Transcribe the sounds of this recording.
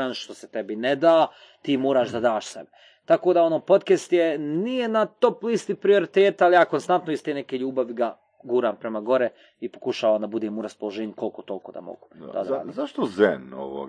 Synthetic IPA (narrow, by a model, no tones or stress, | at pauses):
anʃt̪o̞sɛt̪ebined̪aː | t̪iːmoːɾaːʒd̪ad̪aːʃsḛbe | t̪akoːd̪ao̞noːpo̞t̪kest̪jenijenat̪o̞plist̪ipɾio̞ɾit̪eːt̪alijaːko̞nst̪ant̪noist̪enekeʎuːbaʋiɡa | ɡuːɾaːmpɾemaɡo̞ɾe | ipo̞kuʃaːʋaːmd̪abud̪eːmuɾaspolˠoʒeːɲuko̞lˠkot̪o̞lkoːd̪a̰mo̰ɡud̪a̰d̪a̰ːdizaʃt̪ozeno̰ʋo̰